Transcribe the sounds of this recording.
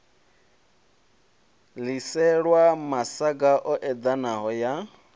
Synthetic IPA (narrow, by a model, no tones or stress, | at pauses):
lisɛɺwamasaɡaʔɔʔɛd̪anaɦɔja